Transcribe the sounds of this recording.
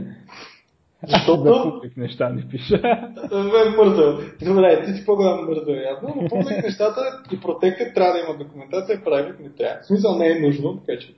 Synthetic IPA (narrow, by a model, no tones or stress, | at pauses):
zɐʃt̪ɔtd̪ouliknɛʃt̪anɛpiʃəvɛbəɾzəd̪obɾɛt̪isi̥poɡolʲamoməɾzvɛɾojat̪nod̪ɐpuplʲknɛʃt̪at̪əipɾot̪ɛkət̪ːɾʲavəd̪ɐimɐt̪̚d̪okʊmɛnt̪at̪sijəpɾavʲit̪nɛt̪ɾʲa̰smis̬əlˠnɛːnuʒnot̪ɐkat͡ʃɛ̥